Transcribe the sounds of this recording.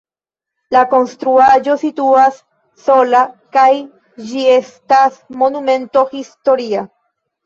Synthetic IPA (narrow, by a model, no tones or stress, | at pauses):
lako̞nstɾuad͡ʒo̞situasː | o̞lakaj | d͡ʒie̞stasmo̞nume̞nto̞histo̞ɾia